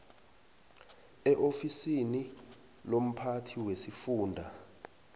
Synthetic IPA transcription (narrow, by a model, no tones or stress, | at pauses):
ɛʔofisini | lom̩pʰatʰiwesifuːndʱa